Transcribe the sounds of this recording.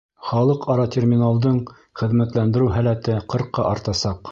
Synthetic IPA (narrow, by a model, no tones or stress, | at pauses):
χɑlˠɤqʰɑɾɑt̪ʲermʲinalˠd̪ɤɴ | χɘ̆ðmæt̪lænd̪ɘ̆ɾɘwɦælæt̪ɘqɤ̆ɾqːɑʔɑɾt̪ɑsɑq